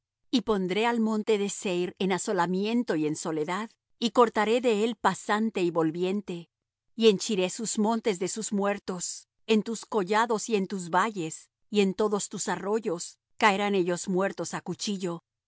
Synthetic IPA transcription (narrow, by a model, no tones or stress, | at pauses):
ipo̞nd̪ɾe̞almo̞nt̪e̞ðe̞sejɾe̞naso̞lamje̞nt̪o̞ie̞nso̞le̞ðað | iko̞ɾt̪aɾe̞ðe̞elpasant̪e̞iβo̞lβje̞nt̪e̞ | ie̞nt͡ʃiɾe̞suzmõ̞nt̪e̞zðe̞suzmwe̞ɾt̪o̞s | e̞nt̪usko̞ʝaðo̞sie̞nt̪uzβaʝe̞s | ie̞nt̪o̞ðo̞st̪usaro̞ʝo̞s | kaeɾane̞ʝo̞zmwe̞ɾt̪o̞sakut͡ʃiʝo̞